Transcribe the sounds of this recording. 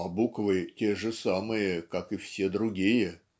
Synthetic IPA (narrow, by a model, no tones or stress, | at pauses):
ɐbukvɨtʲeʐɨsamɨjəkakɨfsʲe̞d̪ɾʊɡʲijə